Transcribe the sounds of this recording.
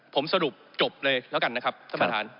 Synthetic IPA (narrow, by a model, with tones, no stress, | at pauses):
pʰo˩˦msa˧ɾu˨˩p̚t͡ɕo˨˩p̚lɤː˧jlɛ˦˥wka˧na˦˥kʰa˦˥p̪̚ɔː˥˩ma˧t̪ʰa̰ː˩˦n